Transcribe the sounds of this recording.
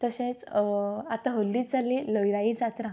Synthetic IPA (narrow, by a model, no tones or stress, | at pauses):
t̪əɕẽt͡sat̪aɦolːid͡zaliləjɾaid͡zat̪ɾã